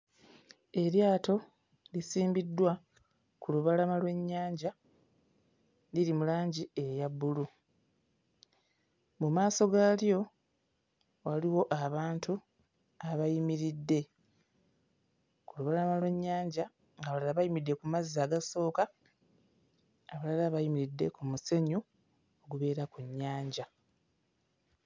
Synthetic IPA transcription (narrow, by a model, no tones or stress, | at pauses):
e̞ɾjaːto̞ | lisiːmbidːwa | kuluβalamalwe̞ɲːaːɲɟa | liɾimulaːɲɟie̞jabːulu | mumaːso̞ɡaːljo̞ | waliwo̞ʔaβaːntu | aβajimiɾidːe̞ | kuluβelamalwe̞ɲːaːɲɟa | ŋɡaβalalaβajimidːe̞kumaziːaːɡaso̞ːka | aβalalaβajimiɾidːekumuse̞ɲu | o̞ɡuβe̞ːɾakuɲːaːɲɟa